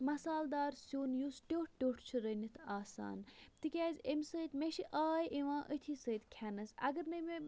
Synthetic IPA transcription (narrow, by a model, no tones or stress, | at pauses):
mɐsaːld̪aːɾsoːnjusʈʲoːʈ̚ʰʈʲoːʈʰt͡ʃʰiɾənit̪ʰaːsa̰ːnt̪ɨkʲaːzʲemʲsəːt̪meʃiʔaːjʔiʋãːʔət̪ʰiːsəːt̪kʲʰɛnɐsɐ̰ɡɐɾnɐme